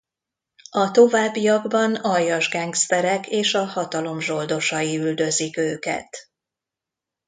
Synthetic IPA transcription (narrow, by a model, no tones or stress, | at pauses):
ɒt̪o̞vaːbːijɒɡbɒnɒjːɒʒɡɛŋkst̪ɛɾɛkeːʃɒhɒt̪ɒlo̞mʒo̞ld̪o̞ʃɒjiyld̪ø̞zikøːkɛ̰t̪